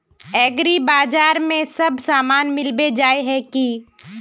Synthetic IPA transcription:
ɛːɡɾibaːd͡ʒaːɾmẽsɐbʱsaːmaːnmɪlbed͡ʒaːeɦɛki

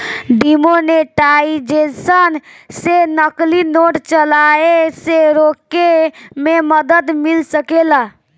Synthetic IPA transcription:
ɖimoneʈaid͡ʒesənsenəklinoʈt͡ʃəlaeseɾokemẽməd̪əd̪milsəkela

